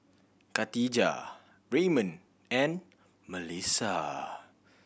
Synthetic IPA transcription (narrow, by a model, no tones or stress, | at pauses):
kat̪id͡ʒa̰ | ɹemə̃n | ɛ̃n | məlisa